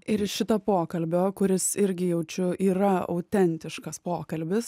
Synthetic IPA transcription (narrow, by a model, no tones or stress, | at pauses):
ɪɾɪʃʃʲɪt̪oːpoːkɐlʲbʲoːkʊɾʲɪsɪɾʲɡʲɪjɛʊt͡ʃʲʊiːɾɐɐ̰ʊt̪ʲɛnʲt̪ʲɪʃkɐspoːkɐlʲbʲɪs